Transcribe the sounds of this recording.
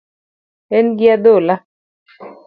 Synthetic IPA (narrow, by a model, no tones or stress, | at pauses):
ɛnɡɪad̪ola